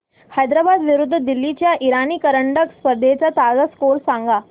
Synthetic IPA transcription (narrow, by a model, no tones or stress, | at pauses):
hajd̪ɾabad̪ʋiɾud̪ʱːəd̪ilːit͡ɕjaʔiɾaniːkəɾəɳɖəkspəɾd̪ʱet͡sat̪ad͡zaskoɾsãŋɡa